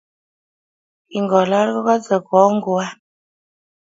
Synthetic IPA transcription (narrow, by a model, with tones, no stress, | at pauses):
i˨ŋɡɔ˨la˦ɾɣɔ˦ɣa˦zə˨kɔ˨˦ŋ˦ɡo˦a˦